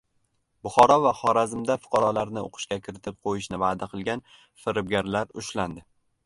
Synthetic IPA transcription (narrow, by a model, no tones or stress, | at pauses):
bʊχɒɾɒvaχɒɾazɪmd̪afʊ̥qʰɑɾɒlaɾnɪo̰qʰɨ̥ʃkʲakʲʰɪɾɪt̪ʰɪp̚qʰojɪʃnɪvaːd̪aqʰɨlˠɡʲan | fɪɾɪb̚ɡʲaɾlaɾʊʃland̪ɪ